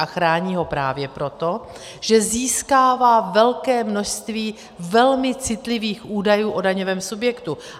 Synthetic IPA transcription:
axɾaːɲiːɦo̞pɾaːvjɛpɾo̞t̪o̞ | ʒ̥ɛziːskaːvaːvɛlkɛːmno̞ʃst̪viː | vɛlmɪt͡sɪt̪lɪviːxʔuːdajuːʔodaɲovɛːmsubjɛkt̪u

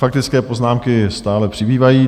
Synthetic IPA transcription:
fak̚t̪ɪt͡skɛːpo̞znaːmkɪst̪aːlɛpr̥ɪbiːvajiː

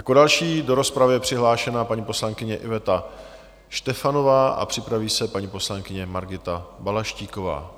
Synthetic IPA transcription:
jakodalʃiːdo̞ɾo̞spɾavɪjɛpr̝̥ɪɦlaːʃɛnapaɲipo̞slaŋkɪɲɛʔɪvɛt̪a | ʃt̪ɛfano̞vaːʔa̰pr̝̥ɪpɾaviːsɛpaɲipo̞slaŋkɪɲɛmaɾɡɪt̪abalaʃciːko̞va̰ː

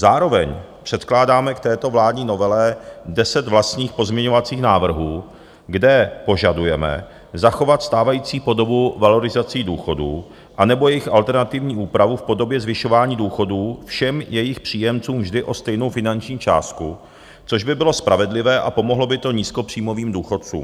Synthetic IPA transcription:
zaːɾo̞vɛɲ | pr̥ɛt̪klaːdaːmɛkt̪ɛːt̪o̞vlaːdɲiːno̞vɛlɛdɛsɛt̪vlast̪ɲiːxpo̞zmɲɛɲo̞vat͡siːxnaːvr̩ɦuː | ɡdɛpo̞ʒadujɛmɛ̰ | zaxo̞vat̪st̪aːvajiːt͡siːpo̞do̞buvalo̞ɾɪzat͡siːduːxo̞dṵː | ʔanɛbo̞jɛjɪxʔalt̪ɛɾnat̪ɪvɲiːʔuːpɾavufpo̞do̞bjɛzvɪʃo̞vaːɲiːduːxo̞duːfʃɛmjɛjɪxpr̝̥iːjɛmt͡suːmvʒdɪʔo̞st̪ɛjno̞wfɪnaɲt͡ʃɲiːt͡ʃa̰ːst̪̚ku | t͡so̞ʒbɪbɪlo̞spɾʔavɛdlɪvɛːʔa̰po̞moɦlo̞bɪt̪o̞ɲiːsko̞pr̝̥iːmo̞viːmduːxo̞t̪̚t͡sṵːm

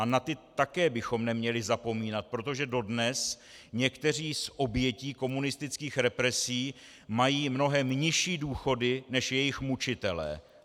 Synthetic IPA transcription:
anat̪ɪt̪akɛːbɪxo̞mnɛmɲɛlɪzapo̞miːnat̪̚pɾo̞t̪o̞ʒɛdo̞dnɛs | ɲɛkt̪ɛr̝iːsʔo̞bjɛciːko̞munɪst̪ɪt͡skiːxɾɛpɾɛsiː | majiːmno̞ɦɛmɲɪʃiːduːxo̞dɪnɛʃjɛjɪxmut͡ʃɪt̪ɛlɛ̰ː

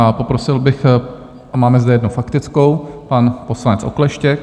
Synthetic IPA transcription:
apo̞pɾo̞sɪlbɪx | ʔamaːmɛzdɛjɛdnufakt̪ɪt͡sko̞wpanpo̞slanɛt͡sʔo̰klɛʃcɛk̚

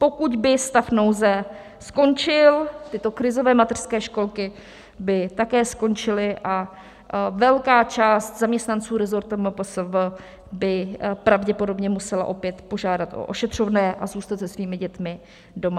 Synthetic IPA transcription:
po̞kuɟbɪst̪afnowzɛ | sko̞nt͡ʃɪlt̪ɪt̪o̞kɾɪzo̞vɛːmat̪ɛr̥skɛːʃko̞lkɪ | bɪt̪akɛːsko̞nt͡ʃɪlɪʔa | vɛlkaːt͡ʃaːst̪zamɲɛst̪nant͡suːɾɛzo̞ɾt̪ɛmpəsv | bɪpɾavɟɛpo̞do̞bɲɛmusɛla̰ʔo̞pjɛt̪po̞ʒaːdat̪ʔo̰ʔoʃɛt̪r̝̥ovnɛːʔazuːst̪at̪sɛsviːmɪɟɛt̪mɪ | do̞ma

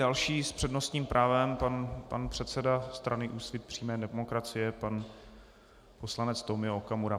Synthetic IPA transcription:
dalʃiːspr̥ɛdno̞st̪ɲiːmpɾʔaːvɛmpanpa̰npr̝̥ɛt̪sɛdast̪ɾanɪʔuːsvɪt̪̚pr̝̥iːmɛːdɛmokɾat͡sɪjɛpan | po̞slanɛt͡st̪omɪookamuɾa

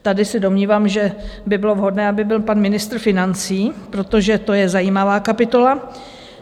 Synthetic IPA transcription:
t̪adɪsɛdo̞mɲiːvaːmʒɛbɪbɪlo̞vɦo̞dnɛːabɪbɪlpanmɪnɪst̪ɾ̩fɪnant͡siːpɾo̞t̪o̞ʒɛt̪o̞jɛzajiːmavaːkapɪt̪o̞la

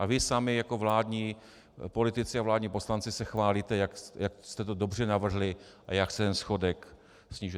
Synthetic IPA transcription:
ʔavɪsamɪjako̞vlaːdɲiː | po̞lɪt̪ɪt͡sɪavlaːdɲiːpo̞slant͡sɪsɛxvaːliːt̪ɛjakjakst̪ɛt̪odo̞br̝ɛnavr̩ɦlɪʔajaksɛt̪ɛnsxo̞dɛk | sɲiːʒ

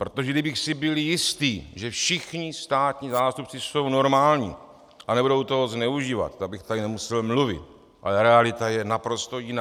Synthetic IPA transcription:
pɾo̞t̪o̞ʒɛdɪbɪxsɪbɪljɪst̪iːʒɛfʃɪxɲɪst̪aːt̪ɲizaːst̪up̚t͡sɪso̞wno̞ɾmaːlɲḭː | ʔanɛbudo̞wt̪oɦoznɛuʒiːva̰t̪t̪ːaɡ̚bɪxt̪adɪnɛmusɛlmluvɪ̰t̪ | ʔa̰lɛɾɛalɪt̪ajɛnapɾo̞st̪o̞jɪnaː

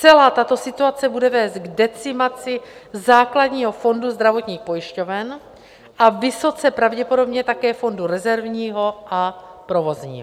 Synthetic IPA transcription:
t͡sɛlaːt̪at̪o̞sɪt̪uat͡sɛbudɛvɛːzt̪ɡdɛt͡sɪmat͡sɪzaːkladɲiːɦo̞fo̞nduzd̪ɾavo̞t̪ɲiːxpo̞jɪʃco̞vɛn | ʔavɪso̞t͡sɛpɾavɟɛpo̞do̞bɲɛt̪akɛːfo̞nduɾɛzɛɾvɲiːɦo̞ʔapɾo̞vo̞zɲḭːɦo

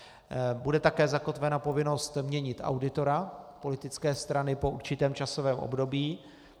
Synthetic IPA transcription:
budɛt̪akɛːzako̞t̪vɛnapo̞vɪno̞st̪mɲɛɲɪt̪ʔa̰wdɪt̪o̞ɾapo̞lɪt̪ɪt͡skɛːst̪ɾanɪpo̞ʔuɾt͡ʃɪt̪ɛːmt͡ʃaso̞vɛːmʔo̰bdo̞biː

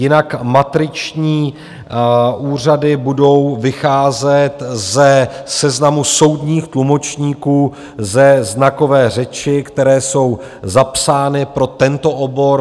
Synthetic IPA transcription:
jɪnakmat̪ɾɪt͡ʃɲiː | ʔuːr̝adɪbudo̞wvɪxaːzɛt̪zɛsɛznamuso̞wdɲiːxt̪lumo̞t͡ʃɲiːkuː | zɛznako̞vɛːr̝ɛt͡ʃɪkt̪ɛɾɛːso̞w | zapsaːnɪpɾo̞t̪ɛnt̪o̞ʔobo̞ɾ

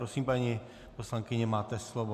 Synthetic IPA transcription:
ɾosiːmpaɲi | poslaŋkɪɲɛmaːt̪ɛslovo

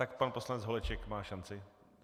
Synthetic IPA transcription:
t̪akpanpo̞slanɛd͡zɦolɛt͡ʃɛkmaːʃant͡sɪ

